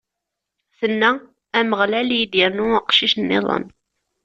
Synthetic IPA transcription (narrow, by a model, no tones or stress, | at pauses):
θənːæ | æməʁlæljid̪jəɾnuəqʃiʃnːɪ̰ðˤə̰n